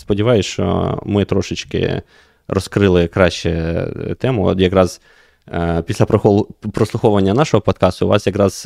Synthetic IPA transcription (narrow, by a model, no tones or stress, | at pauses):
spɔdʲiʋɑjʊsʲʃt͡ʃɔ̰mɪt̪ɾɔʃɪt͡ʃkɪ̰ | ɾɔskɾɪlˠɪkɾɑʃt͡ʃɛ̰t̪ɛmʊ̰t̪jɐkɾɑz̥ | pʲisʲlʲɐpɾɔslˠʊxɔʋɐnʲːɐnɑʃɔɦɔpɔt̪kɑst̪ʊʋɑ̰sjɐkɾɑz̥